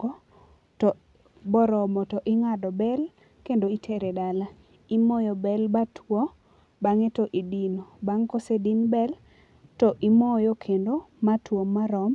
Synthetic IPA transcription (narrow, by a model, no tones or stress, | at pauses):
ɡɔ | tɔ | bɔɾɔmɔtɔʔɪŋadɔbɛl | kendoitʰeɾedala | imɔjɔbɛlbatʰwo | baŋetɔʔidinobaŋkosedinbɛl | tɔʔimɔjokʰendomatwomːaɾɔm